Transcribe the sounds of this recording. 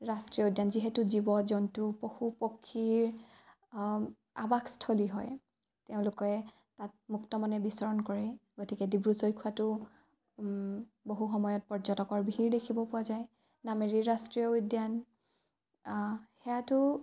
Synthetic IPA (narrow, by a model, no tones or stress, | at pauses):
ɹastɹiɔudjanziɦɛtuzibɔzɔntʊpoxupokʰːiɹ | a̰bakstʰoliɦɔj | teʊ̃lʊkɔɛ | tat̚muktɔmɔnɛbisɔɹɔnkɔɹɛɡotikɛdibɹusojkʰuatʊ | boɦuxɔmɔjɔt̚pɔɹzɔtɔkɔɹbiɦiɹdekʰibɔpʊwazaj | nameɹiɹastɹijɔujdjan | xɛjatʊ